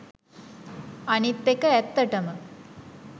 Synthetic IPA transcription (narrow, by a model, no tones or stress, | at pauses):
ɐnit̪ːekəɛt̪ːɐʈɐmə